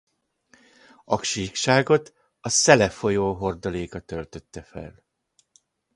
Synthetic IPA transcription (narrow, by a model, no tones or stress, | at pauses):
ɒkʃikʃaːɡo̞t̪ | ɒsɛlɛfo̞joːɦo̞rd̪oleːkɒt̪ø̞lt̪ø̞t̪ːɛfɛ̰l